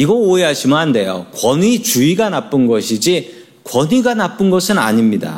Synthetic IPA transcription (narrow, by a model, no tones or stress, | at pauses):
iɡʌoeɦaɕʰimɯɦande̞jo̰kwʌnit͡ɕuiɡanap͈ɯnɡʌɕʰid͡ʑi | kwʌniɡanap͈ɯnɡʌsʰɯna̰ɲimɲida̰